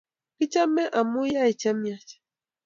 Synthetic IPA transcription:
ki˦t͡ʃa˦mɛ˦ʔa˨mu˦ja˦i˨t͡ʃa˦mja˦t͡ʃ

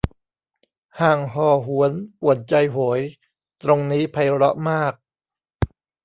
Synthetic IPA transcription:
haː˨˩ŋɦɔː˨˩ɦu˩˦ənpu˨˩ət̪̚t͡ɕa˧jɦoː˩˦j | t̪ɾo˧ŋniː˦˥pʰa˧jɾɔ̰˦˥ʔmaː˥˩k̚

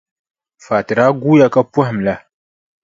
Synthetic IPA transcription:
fa˨tɨ˨ɾa˦ɡu˦ja˦ka˦pa˦hm˨la˦

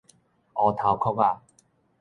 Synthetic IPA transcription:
ʔɔ˨˦t̪ʰa˨˦wkʰɔ˥ka˥˧˨

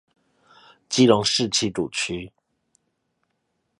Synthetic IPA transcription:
t͡ɕi˥lʊ˧˥ŋʂɻ̩˥˧t͡ɕʰi˥˩ʈ͡ʂu˨˩t͡ɕʰy˧˥

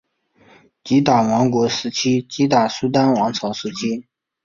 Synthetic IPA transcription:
t͡ɕi˧˥t̪a˨˩wɑ˧˥ŋkwɔ˧˥ʂɻ̩˧˥t͡ɕʰi˥t͡ɕi˧˥t̪a˨˩su˥t̪̬a˥nwɑ˧˥ŋt͡sʰɑ˧˥ʊʂɻ̩˧˥t͡ɕʰi˥

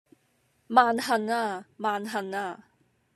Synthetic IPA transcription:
maː˧nhɐ˨˩naː˧˩maː˧nɦɐ˨˩naː˧˩

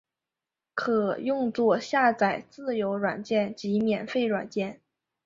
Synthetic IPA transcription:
kʰɤ˨˩jʊ˥˧ŋt͡swɔ˥˧ɕja˥˩t͡sa˨˩ɪt͡sɹ̩˥˩jo˧˥ʊɻwa˨˩nt͡ɕjɛ˥˩nt͡ɕi˧˥mjɛ˨˩nfe˥˩ɪɻwa̰˨˩nt͡ɕjɛ˥˩n

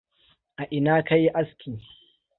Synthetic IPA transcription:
ʔa˨ʔɪ˨naː˦ka˦jʔa˦skʲʰiː˨

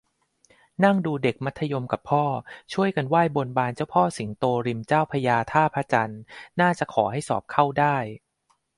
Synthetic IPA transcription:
na˥˩ŋduː˧de˨˩k̚ma˦˥t̪ʰːa˧jo˧mka˨˩pʰːɔː˥˩t͡ɕʰu˥˩əjka˧nwaː˥˩jbo˧nbaː˧nt͡ɕa˥˩wpʰɔː˥˩si˩˦ŋt̪oː˧ɾi˧mt͡ɕaː˥˩wpʰa˧jaː˧t̪ʰaː˥˩pʰa˧˥t͡ɕa˧nːaː˥˩t͡ɕa˨˩kʰɔː˩˦ɦa˥˩jsɔ̰ː˨˩p̚kʰa˥˩wdaː˥˩j

